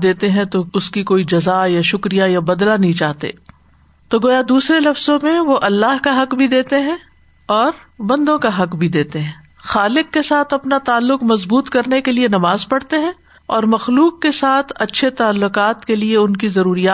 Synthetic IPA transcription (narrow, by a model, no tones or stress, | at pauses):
d̪eːt̪eɦɛ̃t̪oʊskikoːid͡ʒɐzajaʃʊkɾijajabɐd̪lanɐɦĩt͡ʃaːɦt̪ḛː | t̪oɡoːjad̪uːsɾelɐfz̥õmẽʋoʔɐlːaːɦkaɦɐqbʱid̪eːt̪eɦɛ̃ | ɔːɾ | bɐ̃nd̪õkaɦɐqbʱid̪eːt̪eɦɛ̃ | xaːlɪkːesaːt̪ʰɐpnat̪aːlːʊqmɐzbuːt̪kɐɾnekelienɐmaːzpɐɽt̪eɦɛ̃ | ɔːɾmɐxluːqːesaːt̪ʰɐtːʃʰet̪aːlːʊqaːt̪kelieʊnkizɐɾuːɾijaː